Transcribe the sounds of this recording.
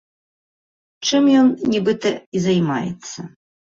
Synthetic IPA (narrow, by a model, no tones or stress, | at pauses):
t͡ʂɨmjɔnnʲɛbɨt̪ɐizɐjma̰jɛ̰t̪sːɐ